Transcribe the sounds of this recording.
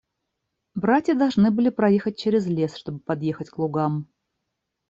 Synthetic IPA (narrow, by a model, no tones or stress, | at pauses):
bɾatʲjəd̪ɐlˠʐnɨbɨlʲɪpɾɐjexət̚ʲt͡ɕeɾʲɪzlʲe̞sʂt̪o̞bɨpɐd̪je̞xətʲklˠʊɡam